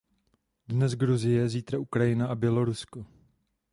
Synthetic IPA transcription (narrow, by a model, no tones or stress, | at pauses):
dnɛzɡɾuzɪjɛziːt̪ɾaʔukɾajɪnaʔabjɛlo̞ɾusko